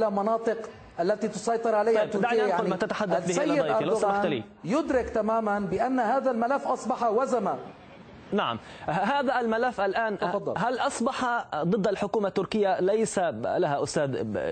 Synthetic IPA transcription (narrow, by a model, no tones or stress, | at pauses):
lamɑnɑːt̪ˤɨq | ʔalːat̪it̪ʊsˤɑjt̪ˤɨɾʕalaj̪ɑajːt̪ːʊɾd̪aʕauːlmat̪at̪aħad̪ːalθbiːɪɑjalassamat̪alḭ | jʊd̪ɾɪkt̪amaːmanbɪʔanːhaːðalmalafːʔɑsˤbɑħɑwazama | naʕa̰m | ɦaːðalmalafːʔalʔaːnfɑd̪ˤːɑlɦalʔɑsˤbɑħɑd̪ˤɨd̪ːʔalħʊkuːmat̪ːʊɾkɪjːalajsalaɦaʔʊst̪aːd̪